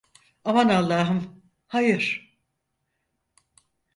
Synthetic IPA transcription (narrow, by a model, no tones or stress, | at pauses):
amanalˠːaːɦɯm | hajɯɾ̥